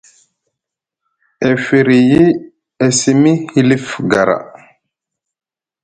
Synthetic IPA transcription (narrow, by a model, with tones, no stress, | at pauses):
e˨fi˨ɾi˨ji˦ | e˨si˦mi˦hi˦li˦fɡa˨ɾa̰˨